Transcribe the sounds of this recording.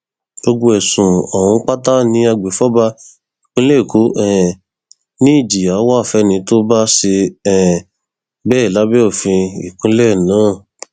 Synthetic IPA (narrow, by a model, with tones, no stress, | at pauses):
ɡ̥o˧ɡ͡bo˧ɛ˨sũ˨ɔ˨wũ˧˦k͡pa˦ta˦nĩ˧˦a˧ɡ͡be˨˦fɔ˦ba˧ | i˨kũ˨˦le˦˨ko˨˦ʔɛ˦˨ | nĩ˦i˦˨d͡ʒi˨a˨˦wa˦˨fɛ˨˦nĩ˨˧˦to˦ba˦ʃe˧ɛ˦˨ | bɛː˦˨la˨˦bɛ˦o˦˨fĩ˧ḭ˨kũ˨˦lɛ˦˨nãː˨˦˨